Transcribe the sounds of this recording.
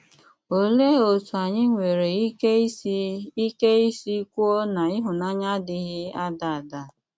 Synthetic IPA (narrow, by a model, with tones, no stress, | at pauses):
o˨le˦o˨tu˨a˨ɲɪ˦ŋʷe˨ɾe˨˦i˦ke˦i˦si˦kʷu˦o˦na˨ɪ˦ɦʊ˨na˦ɲa˦dɪ˦ɣɪ˦a˦da˨da˨